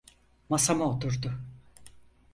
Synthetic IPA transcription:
masamaot̪ʰuɾd̪ʊ

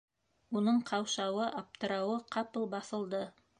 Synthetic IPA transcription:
unɤɴqʰɑwʃɑwɤʔɑp̚t̪ɤ̆ɾɑwɤqʰɑpɤlˠbɑθɤ̆lˠd̪ɤ

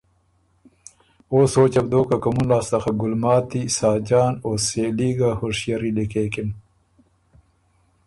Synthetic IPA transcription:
oːsoːt͡ɕɐb̚d̪oːkakɐmunlaːst̪ɐxaɡʊlmɑːt̪isaːd͡ʑɑːnoseːliːɡahoʂjɐɾilikeːkin

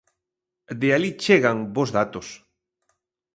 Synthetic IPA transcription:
d̪ealit͡ʃeɣaŋbozðat̪os

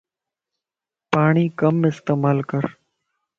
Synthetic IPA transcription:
paːɳ̃iːkəmɪst̪eːmaːlkəɾ

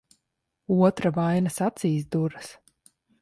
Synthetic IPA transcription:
uɔt̪ɾavajnɐsat̪siːsd̪uɾɨs

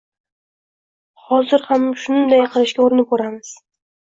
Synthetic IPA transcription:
χɒzɪɾhamʃʊnnd̪ajqʰɨlɪʃkʲaoɾɪnɪp̚ʰoɾamɪz̥

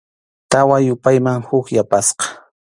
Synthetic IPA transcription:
t̪awajʊpajmaŋhʊkjapasqɑ̥

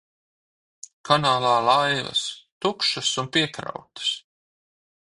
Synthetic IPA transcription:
kʰanaːlˠaːlˠajvɐ̰st̪ukʃasunpiɛkɾa̰wt̪ɐ̥s

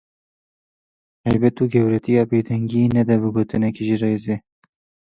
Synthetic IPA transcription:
hɛjbɛt̪uːɡɛwɾɛt̪ijɑːbeːd̪ɛŋɡiːnɛd̪ɛbɨɡoːt̪ɨnɛkiʒirejzeː

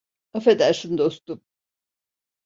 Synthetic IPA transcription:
afed̪æɾsɯnd̪o̞st̪um

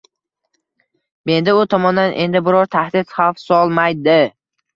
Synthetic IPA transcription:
me̞nd̪ɪʊt̪ʰɒmɒnd̪anʔe̞̰nd̪ɪbɪɾɒɾt̪ʰahd̪ɪt̪χafsɒlˠmajd̪ɪ

